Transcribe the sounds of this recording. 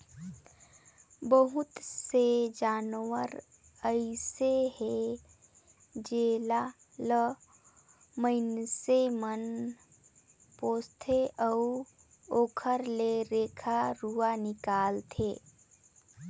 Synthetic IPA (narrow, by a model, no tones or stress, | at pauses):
bəɦut̪sed͡ʒaːnwəɾ | əɪseɦe | d͡ʒeːla | lə | məɪnsemən | poːst̪ʰeʔəu | oːkʰəɾleɾeːkʰaɾuanɪkaːlt̪ʰeː